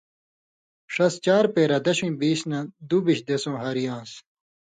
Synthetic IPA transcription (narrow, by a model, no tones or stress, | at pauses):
ʂɐst͡ɕaːɾpeːɾɐd̪ɐɕĩːbiːsnɐ̃d̪ubiɕd̪esõːɦɐɾijãːs